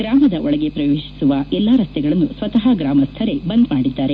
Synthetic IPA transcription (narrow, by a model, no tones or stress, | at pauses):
ɡ̥ɾaːmɐd̪ɐʔɔɭɐɡe̞pɾɐʋeːʃi̥suʋɐɛlːaɾɐst̪ɛɡɐɭɐnːusʋɐt̪ɐɦɐɡɾaːmɐst̪ʰɐɾe̞bɐnd̪maːɽid̪ːaːɾe̞